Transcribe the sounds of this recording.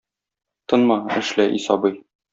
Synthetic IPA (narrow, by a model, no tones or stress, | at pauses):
t̪ɤnmɑɘ̆ʃlæʔisɑbɤj